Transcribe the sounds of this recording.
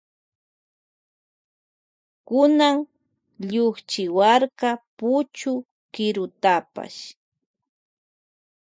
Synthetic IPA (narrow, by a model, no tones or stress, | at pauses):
kʊnaŋ | ʎʊχt͡ʃɪwaɾkapʊt͡ʃʊ | kɪɾʊt̪apa̰ʃ